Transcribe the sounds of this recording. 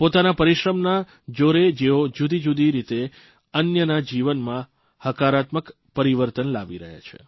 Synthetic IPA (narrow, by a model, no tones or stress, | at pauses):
pot̪anapəɾiʃɾəmna | d͡ʒoɾed͡ʒeod͡ʒud̪id͡ʒud̪iɾit̪e | ənjənad͡ʒiʋənmã | həkaɾat̪mək | pəɾiʋəɾt̪ənla̰ʋiɾə̰ɦja̰t͡ʃʰḛ